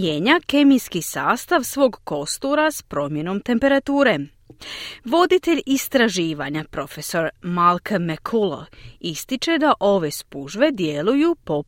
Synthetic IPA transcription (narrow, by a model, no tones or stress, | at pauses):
jeɲake̞mijskisaːst̪aʋsʋo̞ːɡko̞st̪uɾaspɾo̞mje̞no̞mt̪e̞mpe̞ɾat̪uːɾe̞ | ʋo̞d̪it̪e̞ʎist̪ɾaʒiːʋaɲapɾo̞fe̞so̞ɾmalkmekʰulo̰ist̪it͡ʃe̞d̪aʔo̞ʋe̞spuʒʋe̞d̪je̞lujupo̞